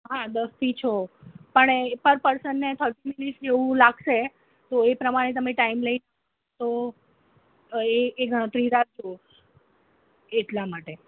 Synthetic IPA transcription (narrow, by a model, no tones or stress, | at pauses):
ɦãd̪əst̪ʰit͡ʃʰopəɳpəɾpəɾsəɳːnet̪ʰəɾʈiminiʈd͡ʒeʋũlaɡʃe | t̪oepɾəmaɽ̃et̪̬əmeʈaimləinəɦ | t̪o | eeɡʱə̃t̪ɾiɾak̚d͡ʒoo | eʈlamaʈe